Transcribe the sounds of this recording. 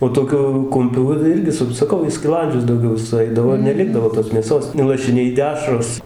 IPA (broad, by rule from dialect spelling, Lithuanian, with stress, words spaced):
oː toːˈkʲʊ ˈkʊmʲpʲuː ˈʋɐ ˈɪrʲɡʲɪ sɐˈkɐʊ iː sʲkʲɪˈlˠɐnʲd͡ʒʲʊs dɐʊˈɡʲɛʊ sʊˈɐɪdɐʋoː ɪr nʲɛˈlʲɪɡdɐʋoː toːs mʲeːˈsoːs nʊ lˠɐʃʲɪˈnʲɛɪ ˈdʲæːʃroːs